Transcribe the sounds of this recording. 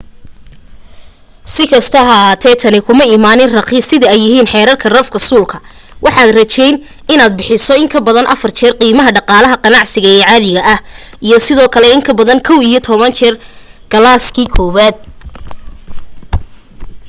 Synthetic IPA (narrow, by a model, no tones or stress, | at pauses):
sɪkʰɐst̪ʰɐɦat̪ʰɛːt̪ʰɐnɪkʰʊmɐimaːnɪnrɐqisɪðɐɛjːɪɦiːnħɛːɾɐrkʰɐrɐfkɐsuːlkʰɐ̥ | wʔɑħɑːd̪rɐt͡ʃɛjn | ɪnaːd̪̚bɪħɪsɔɪŋkʰɐbɐðɐnʔɐfɐrt͡ʃʰɛrqiːmɐɦɐɖɑqɑːlɐɦɐqɑnɑʕsɪɣɐɛːʕɑːðɪɣɐʔɐh | ijɞsɪðɔːkʰɐlɛɪŋkʰɐbɐðɐnkʰɔwijɔt̪ʰɔβɐnt͡ʃʰɛr | ɡ̥ɐlaːskʰiːkʰɔːβaːd̪̚